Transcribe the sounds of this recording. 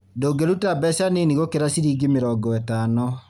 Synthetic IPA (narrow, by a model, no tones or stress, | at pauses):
doːɡeɾutabɛsaneniɣokeɾasiɾiɡemeɾɔɡɔɛtanɔ